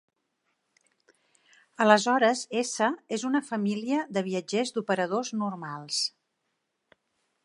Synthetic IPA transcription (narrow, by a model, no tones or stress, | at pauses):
ələzɔɾəzesəezunəfəmiliəðəβiəd͡ʒezd̪upəɾəðoznurmalˠs